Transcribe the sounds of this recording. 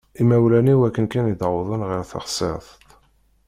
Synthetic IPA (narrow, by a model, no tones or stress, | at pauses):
imæwlæniwækːənkænid̪ðˤənʁɪɾθɑ̰χsḛɾθt̪